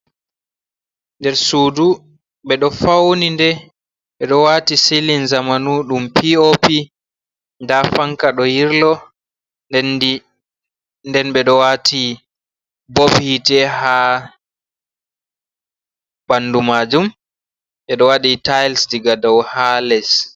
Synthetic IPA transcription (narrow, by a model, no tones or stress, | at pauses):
ndɛɾsudu | ɓɛɗɔfawnindɛ | ɓɛɗɔwatisilinzamanuɗumpiopi | ndafaŋkaɗɔhiɾlɔ | ndɛnɓɛɗɔwatʰi | bobhitɛha | banːdumad͡ʒum | ɓɛɗɔwaɗitajlsdiɡadɔwhalɛs